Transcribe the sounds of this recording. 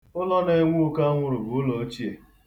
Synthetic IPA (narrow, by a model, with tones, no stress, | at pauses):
ʊ˦lɔ˦ne˦ŋʷu˦ka˦ŋʷʊ˦ɾʊ˨ɡʊ˨ʊ˦lo˨˦t͡ʃi˦e˨